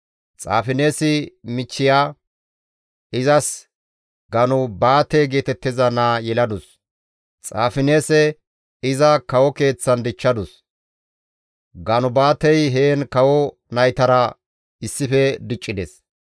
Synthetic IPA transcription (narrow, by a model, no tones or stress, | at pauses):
t͡sʼa̰ːfɪneːsɪmɪt͡ʃːɪjaː | ɪzɐs | ɡɐnʊbaːt̪ːɛjɡe̞ːt̪ɛt̪ːɪzɐnaːjɛlɐd̪ʊs | t͡sʼaːfɪne̞ːsɛ | ɪzɐkɐwɔke̞ːt͡sːɐnd̪ɪt͡ʃːɐd̪ʊs | ɡɐnʊbaːt̪ɛjɦeːnkɐwɔ | nɐjt̪ɐɾɐ | ɪsːɪfɛd̪ɪt͡ʃʼːɪd̪ɛs